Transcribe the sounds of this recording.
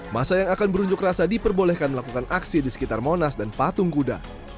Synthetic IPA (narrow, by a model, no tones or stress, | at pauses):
masajaŋakanbəɾuɲd͡ʒʊkrasadipərbolɛhkanməlakukanʔaksidisə̥kit̪armonasdanpat̪ʊŋkuda̰